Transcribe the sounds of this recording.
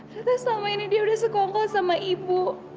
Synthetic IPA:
t̪asnamainidiaudahsəkɔŋkɔlsamaʔibu

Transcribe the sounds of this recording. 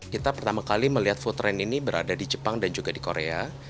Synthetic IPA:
kit̪apərt̪amakaliməliɦat̪fut̪ɾɛninibəɾʔadadid͡ʒəpaŋdand͡ʒuɡadikoɾea

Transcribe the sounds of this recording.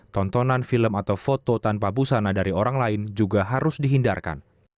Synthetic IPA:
t̪ɔnt̪ɔnanfiləmat̪awfot̪ot̪anpabusanadaɾioɾaŋlaɪnd͡ʒuɡaɦaɾʊsdiɦinda̰rka̰n

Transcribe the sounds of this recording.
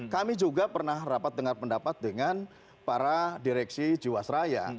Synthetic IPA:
kamid͡ʒuɡapərnahrapat̪̚dəŋarpəndapat̪̚dəŋan | paɾadiɾɛksid͡ʒuwasɾaja̰

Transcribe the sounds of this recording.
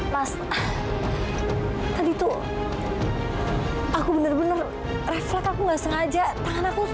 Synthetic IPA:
mas | t̪adiːt̪u | akubənərbənər | rɛflɛkakuŋɡaʔsəŋad͡ʒat̪aŋanaku

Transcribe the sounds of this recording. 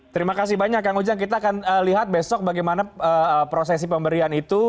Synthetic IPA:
t̪əɾimakas̬ihbaɲakjaŋud͡ʒaŋk̬it̪aːkanəliɦat̪̚bɛsɔk̚baɡajmanaəpɾos̬ɛs̬ipəmbəɾianit̪u

